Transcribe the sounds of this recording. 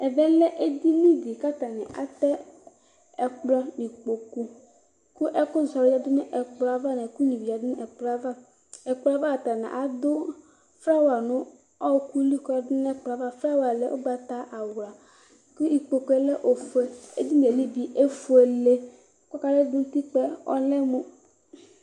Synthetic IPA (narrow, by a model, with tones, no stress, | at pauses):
ɛ˨vɛ˦lɛ˦ʔe˦d̪i˦nĩ˦vi˨ka˦t̪a˨nɛ˨ʔa̰˨t̪ɛ˦ | ɛ˨k͡plɔ˦ni˨k͡po˨ku˦ | kʊ˦ʔɛ˦kʊ˦za˨ɾa˨dʊ˦n˦ʔɛ˨k͡plɔ˨˦a˦va˦nɛ˨ku˦ɲĩ˨vi˨a˨dʊ˦n˦ʔɛ˨k͡pla˦va˦ | ɛ˨k͡pva˦ka˨t̪a˨nɛ̰̃˨ʔa˨d̪ʊ˦ | fɾa˦wa˨nʊ̃˦ | ɔ˦wku˦li˦kdʊ˦n˦ɛ˦k͡pa˨va˦fɾa˦wa˨lḛ˦ʔo̰˦ɡ͡ba˨t̪a˦ʔa˨wɾa˨ | ku˦i˨k͡po˨ku˨˦e˦lɛ˦ʔo˨fe˦e˦d͡ʑi˦m˨e˨li˦bi˨ʔe˦fo˨e˨le˦ | kɔ˦ka˦le˦dũ˦t̪i˦k͡pɛ˦ɔ̰˦lɛ˦mo˦